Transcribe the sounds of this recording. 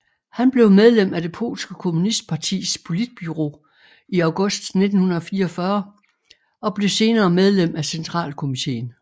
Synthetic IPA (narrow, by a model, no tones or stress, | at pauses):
hænb̥le̝ʊmeð̞ˠlem̰æd̥e̝pʰo̝̰ːlsɡ̥əkʰo̝munisd̥̚pʰɑ̈t͡sʰḭːspʰo̝lid̥̚b̥yʁo̝̰ː | iɑ̈ʊɡ̥ɔ̽sd̥ne̝d̥n̩hunɐð̩ˠfiːɐɒfɶɐ | ɒ̽b̥le̝se̝ːnɐːmeð̞ˠlem̰æsent͡sʰʁɑ̰̈ːlkʰo̝mit͡sʰe̝̰ːn